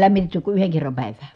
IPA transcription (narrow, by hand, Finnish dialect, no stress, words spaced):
læmːitetːy ku yheŋ kerːɑm pæˑiʋæː